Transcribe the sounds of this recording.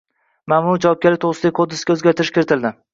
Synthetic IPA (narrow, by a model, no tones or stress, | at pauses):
mamʊɾd͡ʒavɒp̚ɡʲalɪkt̪oʁɾɨsɪd̪akʰod̪ːɪsɡʲaɵzɡʲaɾt̪ʰɪɾɪʃkʲeɾɪt̪ʰɪld̪ɪ